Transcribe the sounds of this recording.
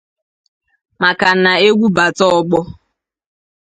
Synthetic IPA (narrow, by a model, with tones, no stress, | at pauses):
ma˨ka˨na˨e˦ɡʷu˦ba˨tɔ˦ɔ˦ɡ͡bɔ˦